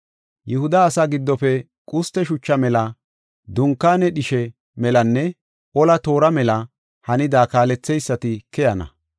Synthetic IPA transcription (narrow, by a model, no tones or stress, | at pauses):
jʔʊhʊd̪ɐːsaɡɪd̪ːɔfɛ | kʼʊst̪ːɛʃʊt͡ʃːɐmɛlɐ | d̪ʊŋkːaːnɛɗɪʃɛ | mɛlɐnːɛ | ʔɔlɐt̪o̞ːɾɐmɛlɐ | hɐnɪd̪aːkaːlɛt͡sːɛjsːɐt̪ɪkɛjɐnɐ̰